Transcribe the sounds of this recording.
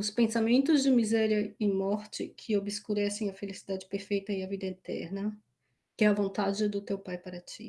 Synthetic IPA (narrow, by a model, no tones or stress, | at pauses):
ʊspẽsamẽnt̪ʊzd͡ʒɪmizɛɾiɐɪmɔɾt͡ʃɪkʰɪobɪskuɾɛsẽj̃ɐfelisid̪ad͡ʒɪpeɾfejt̪ɐɪɐvid̪ɐet̪ɛ̰ɾnɐ | kɪɛɐvõnt̪ad͡ʒɪd̪ʊt̪ewpajpaɾɐt͡ʃḭ